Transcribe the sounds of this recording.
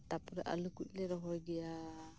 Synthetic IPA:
t̪apɔɾɛ̰ʔa̰lukuc̚ˀlɛɾɔɦɔjɡɛja

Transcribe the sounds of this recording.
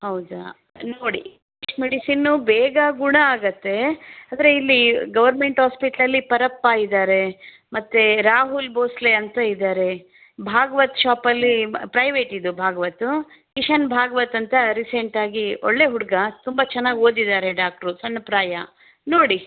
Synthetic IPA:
hɐwd̪a̰ | noːɽikiʂmeɽisinːubɛːɡɐɡuɳɐaːɡɐt̪ːe̞aːd̪ɐɾe̞ilːiɡɐʋɐɾme̞ɳʈɦaːspiʈɐlɐlːipɐɾɐpːaːjid̪aːɾe̞ | mɐt̪ːeɾaːɦulboːsleɐnt̪ɐid̪aːɾe̞ | bʱaːɡɐʋɐt̪ʃaːpɐlːipɾɐjʋe̞ːʈid̪ubʱaːɡɐʋɐt̪ːu | kiʂɐnbʱaːɡɐʋɐt̪ːɐnt̪ɐɾiseɳʈaːɡio̰ɭːe̞ɦuɽɐɡɐt̪umbɐt͡ʃɛnːaːɡo̞ːd̪id̪aːɾe̞ɖaːk̚ʈɐɾusɐnːɐpɾaːjɐ | no̞ːɽi

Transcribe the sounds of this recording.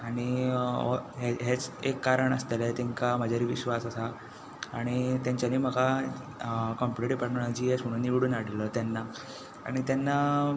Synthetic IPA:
aɽ̃iɔɦeɦet͡sekːaɾəɳəst̪elet̪ɛŋkaməd͡ʑʱaɾiːʋiɕʋasasaː | ɽ̃it̪jãɲt͡ɕaniːm̤əka | kɔmpuɽʈiʈipəɾnaɭd͡ʑiːesməɽ̃ũnːiʋɽuːnaɽ̤ilət̪janːa | a̰ɽ̃it̪janːa

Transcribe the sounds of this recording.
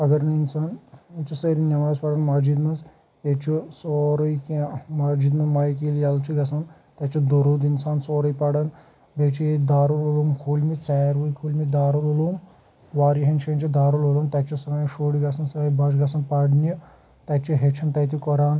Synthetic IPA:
ɐɡɐɾninsanit͡ʃisɐɾinʲɐʋaːzpaɽɐnmad͡ʒid̪mɐz | et͡ʃʰisoːɾɐjkamad͡ʒiːd̪mɐmaːjk̬iljalt͡ʃʰiɡasan | t̪at͡ʃid̪oɾud̪insaːnsoːɾɐjpaɽɐn | bet͡ʃʰied̪aːɾulolumkʰuːlmit͡saːɾʋujkʰuːlʲmid̪aːɾulolum | ʋaːɾiɦɐnt͡ʃent͡ʃʰid̪aːɾulolumt̪at͡ʃʰisɐnaːjɐʃoːɽiɡasɐnsɐɐjbad͡ʒɡasɐnpaɽni | t̪at͡ʃiɦet͡ʃʰɐnt̪ɐt̪ikɔɾaːn

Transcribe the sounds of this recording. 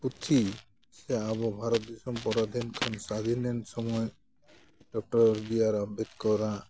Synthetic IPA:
put̪ʰi | sɛaβɔbʱaɾɔt̪̚d̪isɔmpɔɾad̪ʱinkʰansad̪ʱinɛnsɔmɔj | ɖɔk̚ʈɔɾɾbijaɾabɛt̪̚kɔɾa

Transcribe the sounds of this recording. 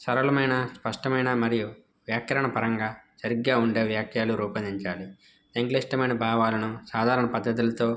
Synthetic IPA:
sɐɾɐlɐmɐjnɐspɐʂʈɐmɐjnamɐɾiju | ʋjaːkjɐɾɐɳɐpɐɾɐŋɡaːsɐɾiɡɡaːuɳɖe̞ːʋjaːkʰjaːluɾuːpɐnd̪iɲt͡ʃaːli | seŋklesʈɐmɐjnbʱaːʋaːlɐnusaːd̪ʱaːɾɐɳɐpɐd̪ːɐt̪̬ilɐt̪o̞ː

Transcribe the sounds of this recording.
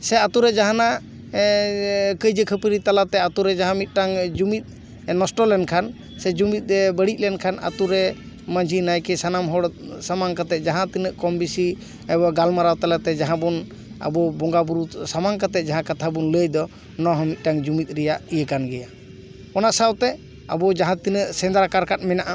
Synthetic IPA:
sɛat̪uɾɛd͡ʒaɦana | kəjd͡ʒəkʰəpəɾit̪alat̪ɛat̪uɾɛd͡ʒaɦãmit̪̚ˀʈaŋd͡ʒumit̪̚ | nɔsʈɔlɛnkʰan | sɛd͡ʒumit̪̚ˀɾɛbəɽic̚ˀlɛnkʰana̰t̪uɾɛ | mãd͡ʒʱinajkɛsanamɦɔɽsamaŋkat̪ɛt̪̚d͡ʒaɦãt̪inəʔkɔmbisi | ɛbɔɡalmaɾawt̪alat̪ɛd͡ʒaɦãbɔn | a̰bɔbɔŋɡabuɾut̪samaŋkat̪ɛt̪̚d͡ʒaɦãkat̪ʰabunləjd̪ɔ | nɔɦəmit̪̚ʈaŋd͡ʒumit̪̚ˀɾɛjaʔijəkanɡɛja | ɔnaʔsawt̪ɛ | a̰bɔd͡ʒaɦãt̪inəʔsɛnd̪ɾakaɾkat̪̚mɛnaʔa

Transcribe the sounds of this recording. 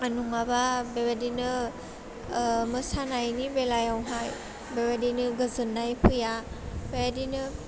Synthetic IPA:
anuŋababebadinɯ | mɯsanajnibelajawɦaj | bebadinɯɡɯzɯnːajpʰɯja | bejadinɯ

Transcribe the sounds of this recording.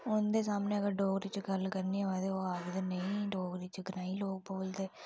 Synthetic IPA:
ʊnd̪eːsaːmneːəɡəɾɖoːɡɾit͡ʃɡəlkəɾnioɛd̪eoːaːɡd̪enəĩːɖoːɡɾit͡ʃɡnaːiːloːɡ̚boːld̪eː

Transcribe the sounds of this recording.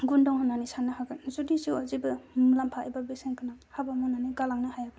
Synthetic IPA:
ɡundɔŋhɯnanisanːɯhaɡatnzudiziwazibɯmlampʰaa̰jbabeseŋkʰɯnahabamunaniɡalaŋnɯhajak̚

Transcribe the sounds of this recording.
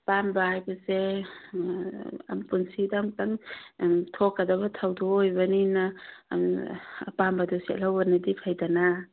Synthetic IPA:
pambaajbase | a̰mpunsidaŋtaŋ | tʰokːadabatʰawdoːjbanina̰mpambadusia̰lawbanadipʰajdana

